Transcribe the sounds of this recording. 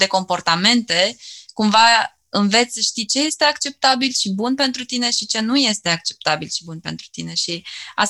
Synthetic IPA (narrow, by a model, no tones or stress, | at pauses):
d̪e̞ko̞mpo̞rt̪ame̞nt̪e̞kumva | ɨnve̞t̪sʲsəʃt̪it͡ʃe̞je̞st̪e̞akt͡ʃe̞p̚t̪abilʃibunpe̞nt̪ɾut̪ine̞ʃit͡ʃe̞nuje̞st̪e̞ak̚t͡ʃe̞̥p̚t̪abilʃi̥bunpe̞̰nt̪ɾut̪ine̞ʃias